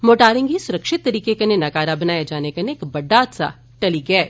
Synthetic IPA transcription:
moːʈaːɾɪ̃ŋɡisʊɾɐkʃɪt̪ːɐɾiːkekɐnenɐɡaːɾabɐnaːjad͡ʒaːnekɐneːkbɐɖːaːt̪sa̰ | ʈɐliɡɛː

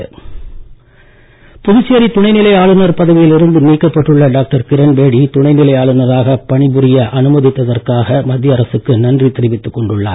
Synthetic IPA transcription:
pʊðʊt͡ʃːeɐɾit̪ʊɳɐɪnɪlɐɪaːɭɯnɐɾpɐðɐʋɪjɪlɪɾɯnd̪ɯniːkːɐpːɐʈːɯɭːɐɖaːk̚ʈɐɾkɪɾɐnbeːɽit̪ʊɳɐɪnɪlɐjaːɭɯnɐɾaːɣɐpɐɳɪbɯɾɪjɐʔɐnɯmɐðɪt̪ːɐðɐrkaːɣɐmɐd̪jɐɐɾɐsɯkːɯnɐndrit̪ɪɾɪʋɪt̪ːɯkːɔɳɖɯɭːa̰ː

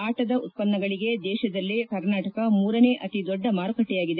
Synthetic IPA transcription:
aːʈɐd̪ɐʔut̪̚pɐnːɐɡɐɭiɡe̞d̪ɛːʃɐd̪ɐlːikɐɾnaːʈɐkɐmuːɾɐne̞ʔɐt̪id̪ɔɖːɐmaːɾukɐʈːɛjaːɡid̪e

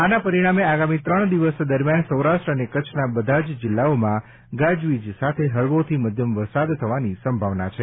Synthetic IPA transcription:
anapəɾiɽ̃ameaɡamit̪ɾəɳd̪iʋəsd̪əɾmjansəwɾaʃʈɾəənekət͡ʃʰnabəd̪ʱad͡ʒd͡ʒɪlːaomã | ɡad͡ʒʋid͡ʒsat̪ʰeɦəɭʋot̪ʰiməd̪ʱjəmʋəɾsad̪t̪ʰəʋanisəmbʱaʋnat͡ʃʰe

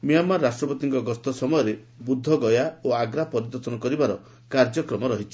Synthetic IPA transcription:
miɔmːaɾːasʈɾɔpɔt̪iŋkɔɡɔst̪ʰɔsɔmɔjɔɾe | bud̪ʱːɔɡɔjaoaɡɾapɔɾid̪ɔɾt̪ɔnɔkɔɾibaɾɔ | kaɾd͡ʒɔkɾɔmɔɾɔɦit͡ʃʰi̥

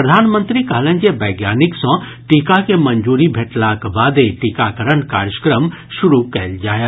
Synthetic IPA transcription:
ɾəd̪ʱaːnmə̃nt̪ɾikaɦlə̃nd͡ʒebəːɡjaːniksɔ̃ | ʈikakemɐnd͡ʒuːɾibʱeʈlakbaːd̪eʈikakəɾənkaːɾjə̥kɾəm | ʃʊɾukɛld͡ʒaːjə

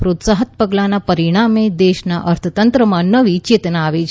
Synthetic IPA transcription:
pɾot̪saɦət̪̚pəɡlanapəɾiɽ̃amed̪eʃna̰ʔəɾt̪ʰət̪ənt̪ɾəmãnəʋit͡ʃeːt̪naaʋet͡ʃʰ

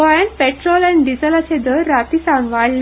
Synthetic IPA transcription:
ajənpeʈɾɔlɛ̃nɖid͡zəlat͡sed̪əɾːat̪isanʋaɽl

